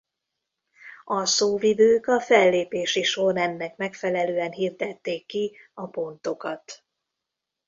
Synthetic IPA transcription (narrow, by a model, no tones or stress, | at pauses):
ɒsoːvivøːkɒfɛlːeːpeːʃiʃonɛnːɛkmɛkfɛlɛløːɛnɦiːrd̪ɛt̪ːeːkːi | ɒpo̞nt̪o̞kɒt̪